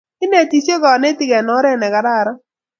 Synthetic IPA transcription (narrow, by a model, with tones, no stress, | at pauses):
ɪ˦ne˨ti˨t͡ʃe˦ɡɔ˨nɛ˦tɪ˦˨ɡɛ˨nɔ˨˦ɾɛ˦˨nɛ˨ɡa˨ɾa˦˨ɾɔ˦